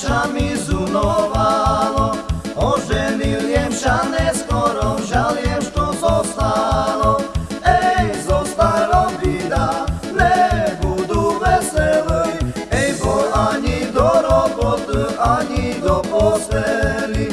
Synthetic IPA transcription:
amizunɔvalɔɔʒɛniljɛmʃanɛskɔɾɔwʒaljɛmʃt̪ɔzɔst̪alɔɛjzɔst̪aɾɔbid̪a | nɛbud̪uvɛsɛlɛjɛjbɔaɲid̪ɔɾɔbɔt̪aɲid̪ɔpɔsɛli

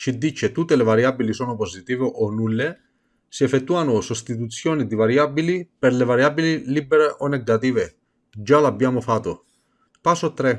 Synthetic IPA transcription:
t͡ʃid̪ːit͡ʃet̪ut̪ːelevaɾjabilisɔːnʊposit̪iːveʔonulːe | siɛfet̪ːuanʊsost̪it̪̬ut̪sːjɔːnid̪ivaɾjabilipeɾlevaɾjaːbililibeɾeʔonːeɡat̪iːve | d͡ʒalabːjaːmʊfat̪ːo | pasot̪ːɾɛ

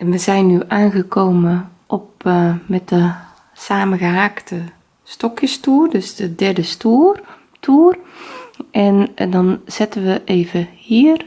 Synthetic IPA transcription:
ɛnʋəzɛjnːyʔaːnɣəkʰoːmənʔɔpmɛt̚də | saːməɣəɦaːktʰə | stɔkjəstuːrdøsdədɛrdəstuər | tʰuər | ʔɛndɔnz̥ɪtənʋəʔeːvəhiər

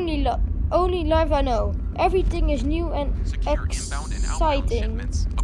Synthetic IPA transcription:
niʔõʊ̃nlilaɪvaɪnoʊʔɛvɹiθɪ̃ŋɪznjuːɨ̃nɛk | saɪtɪ̃ŋ

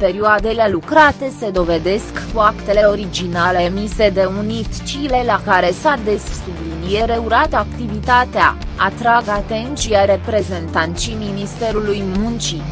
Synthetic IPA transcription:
pe̞ɾioad̪ele̞lukɾat̪e̞se̞d̪o̞ve̞d̪e̞skkuakt̪e̞le̞o̞ɾid͡ʒinale̞mise̞d̪e̞unit̪t͡ʃile̞lakaɾe̞sad̪essublinije̞ɾe̞uɾat̪akt̪ivit̪at̪ea̰at̪ɾaɡat̪e̞nt̪t͡ʃiaɾe̞pɾe̞ze̞nt̪ant̪sijminist̪e̞ɾulujmunt͡ʃi

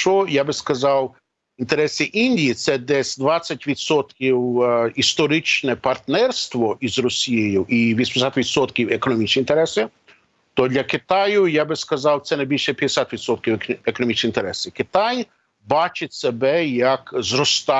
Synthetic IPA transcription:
t͡ʃɔjabɪskɐzɑw | int̪eɾɛsʲɪʔinʲdʲijit̪sɛd̪ɛsʲd̪ʋɑt͡sʲːɐtʲʋʲid̪sɔt̪kʲiwist̪ɔɾɪt͡ʃnɛpɐrt̪nɛrst̪ʋɔʔizɾɔsʲijejʊʔiʋʲisʲp̪esʲat̪ʋʲid̪sɔt̪kʲiwekɔnɔmʲit͡ʃnʲint̪eɾɛsʲɪ | t̪ɔd̪lʲɐkɪt̪ɑjʊjabɪskɐzɑwt̪sɛnɐjbʲilʲʃɛpʲjɐd̪esʲat̪ʋʲid̪sɔt̪kʲiwekɔnɔmʲit͡ʃnint̪eɾɛsʲɪkɪt̪ɑj | bɑt͡ʃɪtʲsebɛjɐkzɾɔst̪ɑ

